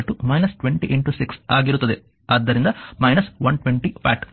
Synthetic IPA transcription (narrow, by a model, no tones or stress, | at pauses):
ʈːumɐjnɐsʈʋeɳʈiʔiɳʈusiksa̰ːɡiɾut̪und̪i | aːd̪ːɐɾind̪ɐmɐjnɐsʋɐnʈʋeɳʈipa̰ːʈ